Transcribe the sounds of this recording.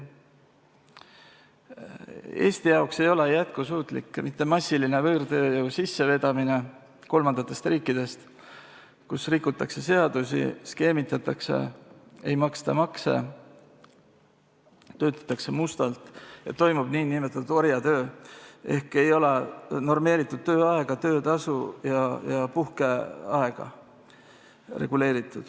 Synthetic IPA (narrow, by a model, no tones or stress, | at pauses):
e̞̰ːst̪ijɑokse̞jo̞le̞jæt̪̚kusuːt̪ˑlḭkːmit̪ːe̞mɑsʲːiline̞vɤːrt̪øːjɤusisːe̞ve̞d̪̥ɑmine̞ | ko̞lmɑnd̪̥ɑt̪ːˑe̞st̪riːkːˑid̪̥e̞st̪ | kusrikːˑut̪ːˑɑkse̞se̞ɑd̪̥usḭske̞ːmit̪ːˑɑt̪ːˑɑkse̞̰ejmɑkst̪ɑmɑksḛ | t̪ø̞ːt̪ːˑɑ̥t̪ːˑɑkse̞must̪ɑlt̪jɑ̰t̪o̞jmub̥niːnimet̪ːˑuo̞ɾjɑt̪ø̞ːe̞hke̞jo̞leno̞rme̞ːɾit̪ːˑud̪̥̚t̪ø̞ːɑeɡ̥ɑt̪ø̞ːt̪ɑsujɑjɑpuhke̞ɑe̞ɡ̥ɑ̰ | re̞̰ɡ̥ule̞ːɾit̪ːˑud̪̥